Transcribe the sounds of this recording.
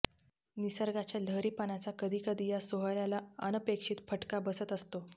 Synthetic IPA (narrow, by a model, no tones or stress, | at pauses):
nisəɾɡat͡ɕjalʱəɾiːpanat͡sakəd̪ʱiːkəd̪ʱiːjasoɦəɾjalaənəpekʂiːt̪fʰəʈkabəsət̪əst̪o